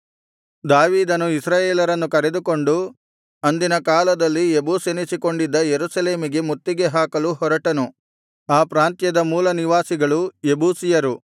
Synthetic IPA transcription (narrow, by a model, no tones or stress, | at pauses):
d̪aːʋiːd̪ɐnuisɾaːjeːlɐɾɐnːukɐɾe̞d̪uko̞ɳɖu | ɐnd̪inɐkaːlɐd̪ɐlːiebuːsenisiko̞ɳɖid̪ːɐjeɾusɐle̞ːmiɡe̞mut̪ːiɡe̞ɦaːkɐluɦɔɾɐʈɐnu | aːpɾaːnt̪jɐd̪ɐmuːlɐniʋaːsiɡɐɭuebuːsijɐɾu